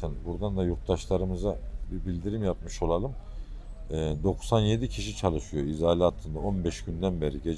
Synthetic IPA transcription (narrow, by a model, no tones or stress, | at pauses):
ænbuɾd̪and̪ajuɾk̚t̪aʃlˠaɾɯmɯzabibilʲd̪iɾimjap̚mɯʃo̞lˠalˠɯm | ɛːd̪o̞ksanje̞d̪icʰiʃit͡ʃʰalˠɯʃɯjo̞izaːlʲiat̪ʰːɯnd̪ao̞nbɛʃɟ̥ynd̪ænbe̞ɾiɟe